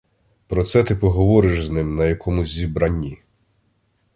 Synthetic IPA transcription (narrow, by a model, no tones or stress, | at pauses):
pɾɔt̪sɛt̪ɪpɔɦɔʋɔɾɪʃznɪmnɐjɐkʰɔmʊzʲzʲibɾɐnʲi